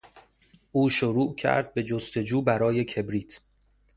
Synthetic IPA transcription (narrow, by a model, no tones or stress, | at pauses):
ʔuːʃoɾuːʔcʰæ̰ɾd̪̚be̞d͡ʒost̪e̞d͡ʒuːbæɾɒːje̞kʰe̞bɾiːt̪ʰ